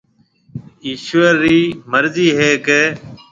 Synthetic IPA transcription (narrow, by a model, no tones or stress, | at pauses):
iːʃəɾiːməɾziːɦeːkeː